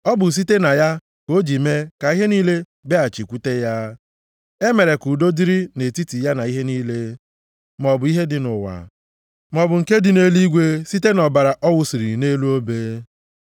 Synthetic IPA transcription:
ɔ˦bʊ˨s̬i˦te˦na˨ja˦ | ko˦d͡ʒi˨me˦ka˨i˦ɦe˦niː˦le˦ | be˦a˨t͡ʃi˨kʷu˦te˦ja˦ | e˦me˨ɾe˨ku˨do˦di˦ɾi˦ne˨ti˦ti˨ja˦na˨i˦ɦe˦niː˦le˦ | m˨ɔ˨bʊ˨˦i˦ɦe˦dɪ˨nʊ˨wa̰˨ | m˨ɔ˨bʊ˨ŋ̩˨ke˦dɪ˨ne˦li˦ɡʷe˦si˦te˦nɔ˨ba˨ɾa˨ʔɔ˦wʊ˦si˨ɾi˨ne˦lu˦o˦be˦

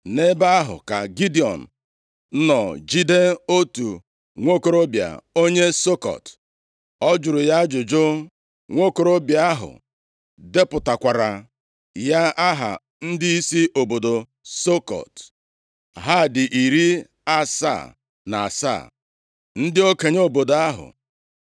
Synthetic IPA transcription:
ne˦ba˦ɦʊ̰˨ka̰˨ɡi˦di˨ɔ̰˨n̩˨˦ | nɔ˨d͡ʒi˦de˦o˦tu˨ | ŋʷo˦˨ko˨˦ɾo˦bja̰˨o˦ɲe˦so˦kɔ̰˨t | ɔ˦d͡ʒʊ˨ɾʊ˨ja˦d͡ʒʊ˨d͡ʒʊ˦ | ŋʷo˦˨ko˨ɾo˦bja˨a˦ɦʊ̰˨ | de˦pʊ˨ta˨kʷa˨ɾa˨ | ja˦ʔa˦ɦa̰˨ | n̩˦dɪ˦i˦si˦ʔo˨bo˨do˨ | so˦kɔ̰˨t | ɦa˦˨dɪ˨ʔi˨ɾi˦ | a˦sa̰˦˨ | na˨a˨sa̰˦˨ | n̩˦dɪ˦o˦ke˨ɲ˦o˨bo˨do˨a˦ɦʊ̰˨

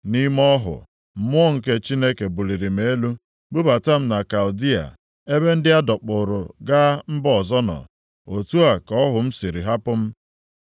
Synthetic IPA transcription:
ni˦mɔ˦ɦʊ̰˨ | m̩˦mʊ˦ɔ˦ŋ̩˨ke˦t͡ʃi˦ne˦ke˨bu˨li˨ɾi˨m̩e˦lu˦ | ɡ͡bʊ˦ba˨ta˦m̩˦na˨ka˨ʊ˨di˦a̰˨ | e˦be˦n̩˦dɪ˦a˦dɔ˨k͡pʊ˨ɾʊ˨ɡa˦m̩˦bɔ˨zɔ˦nɔ̰˨ | o˨tu˦a˨kɔ˦ɦʊ˨m̩˦si˨ɾi˨ɦa˦pʊ˦m̩˦

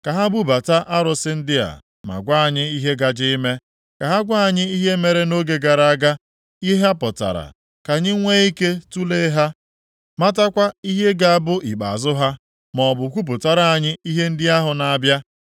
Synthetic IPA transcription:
ka˨ɦa˦bu˦ba˨ta˦ʔa˦ɾʊ˨sɪ˦n̩˦dɪ˦a̰˨ | ma̰˨ɡʷa˦a˨ɲɪ˦i˦ɦe˦ɡa˨d͡ʒɪ˦i˦me˦ | ka˨ɦa˦ɡʷa˦a˨ɲɪ˦i˦ɦe˦me˨ɾe˦no˦ɡe˨ɡa˨ɾa˦a˦ɡa˦ | i˦ɦa˦pʊ˨ta̰˨ɾa̰˨ | ka˨ɲɪ˦ŋʷe˦i˦ke˦tu˦le˦ɦa˦ | ma˦ta˦kʷa˦i˦ɦe˦ɡa˦a˦˨bʊ˦ʔi˨k͡pa̰˨zʊ˦ɦa˦ | mɔ˨bʊ˨kʷu˦p̬ʊ˨ta˨ɾa˦a˨ɲɪ˦i˦ɦe˦n̩˦dɪ˦a˦ɦʊ˨na˨a˦˨bja˦

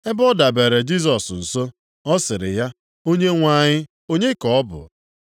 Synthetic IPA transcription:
e˦bɔ˦da˨be˨ɾe˨d͡ʒi˦s̬ɔ˨sn̩˨so˦ | ɔ˦sɪ˨ɾɪ˨ja˦ | o˦ɲe˦ŋʷa˦˨ɲɪ˦ | o˦ɲe˦kɔ˨ɔ˦bʊ̰˨

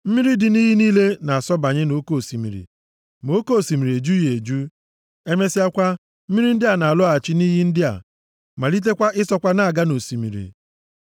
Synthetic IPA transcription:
m̩˦mi˦ɾi˦dɪ˨niː˦ɦi˦niː˦le˦na˨a˨sɔ˦ba˨ɲe˦no˦ko˦˨si˨mḭ˨ɾḭ˨ | mo˦ko˦o˨si˨mi˨ɾe˨d͡ʒu˦je˨d͡ʒu˦ | e˦me˦si˦a˦kʷa˦ | m̩˦mi˦ɾi˦n̩˦dɪ˦a˨na˨a˨lɔ˦a˨t͡ʃɪ˦ni˦ɦi˦n̩˦dɪ˦a̰˨ | ma˨li˦t̬e˦kʷa˦ʔɪ˦sɔ˦kʷa˦na˦a˨ɡa˦no˨si˨mḭ˨ɾḭ˨

